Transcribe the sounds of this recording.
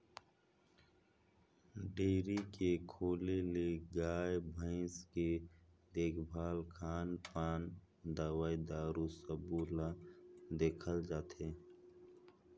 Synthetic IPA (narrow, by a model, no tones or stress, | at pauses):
ɖeːɾikekʰoːleleɡaːjbʱə̃ɪsked̪eːkʰbʱaːlkʰaːnpaːn | d̪aːwaːid̪aːɾusəbuːlad̪eːkʰəld͡ʒaːt̪eː